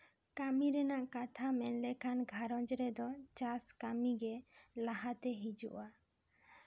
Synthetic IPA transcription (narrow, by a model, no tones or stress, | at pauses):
kamiɾɛnaʔkat̪ʰamɛnlɛkʰanɡʱaɾɔd͡ʒɾɛd̪ɔt͡ʃaskamiɡɛlaɦat̪ɛɦid͡ʒṵʔa